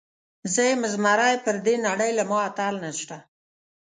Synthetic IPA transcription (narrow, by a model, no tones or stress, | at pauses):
zəjmɪzmaɾajpəɾd̪enaɽəjlamɑat̪alnaʃt̪a